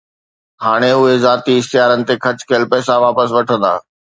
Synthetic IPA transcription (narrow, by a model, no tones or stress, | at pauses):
ɦaːɽ̃eʊɦezaːt̪iɪst̪ijaːɾənɪ̆t̪ekʰɐt͡ɕkʰɐjəlpɛːsaʋaːpəs̬ʋɐʈʰə̃nd̪a̰ː